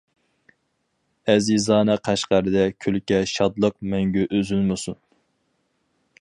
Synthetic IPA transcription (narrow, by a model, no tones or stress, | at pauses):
ɛzizɑːnɛqʰæʃqæɾɨd̪ɛkʲʰølkʲɛʃɑd̪lˠəq̚mɛŋɡʲyʔøzylmɨsun